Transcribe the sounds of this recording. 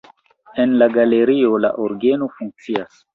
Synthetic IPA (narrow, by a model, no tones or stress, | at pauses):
e̞nlaɡale̞ɾio̞la̰ʔoɾɡe̞no̞fuŋk̚t͡sias